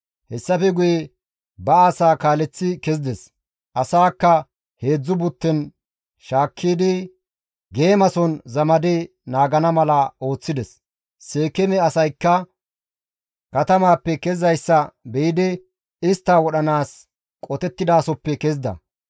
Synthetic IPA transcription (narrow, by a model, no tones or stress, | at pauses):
hɛsːɐfɛɡʊjɛ | bɐaːsaːkaːlɛt͡sːɪkɛzd̪ɛs | ʔɐsaːkːɐ | he̞ːd͡zːʊbʊt̪ːɛn | ʃaːkʰːiːd̪ɪ | ɡe̞ːmɐsɔnzɐmɐd̪ɪ | naːɡɐnɐmɐlɐo̞ːt͡sːɪd̪ɛs | se̞ːkɛmɛɐsɐjkːɐ | kɐt̪ɐmaːpːɛkɛzɐjsːɐbɛjɪd̪ɪ | ɪst̪ːaːwɔɗɐnaːs | kʼɔt̪ɛt̪ːɪd̪aːsɔpːɛkɛzd̪ɐ̰